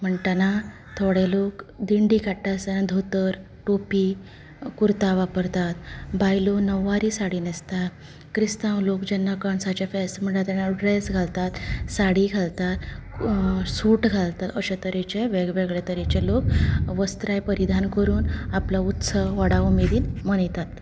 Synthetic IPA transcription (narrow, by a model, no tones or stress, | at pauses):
m̤əɳʈ̪ana | t̪ʰoɽelokd̪iɳɖikaʈːasaãd̪ʱot̪əɾ | ʈopi | kuɾt̪aʋapəɾt̪at̪̚bajlonəʋːaɾiːsaɽiːnest̪at̪ | kɾist̪ãwlokd͡ʑənːəkəɳsat͡ɕefesm̤əɳʈ̪at̪anaɖɾesɡʱalt̪at̪saɽiɡʱalt̪at̪ | suːʈɡʱalt̪at̪əɕet̪əɾet͡ɕeʋeɡʋeɡɭet̪əɾet͡ɕelokʋəst̪ɾajpəɾid̪ʱankəɾuːnaplaut̪səʋəɽaumed̪iːnməɳijt̪at̪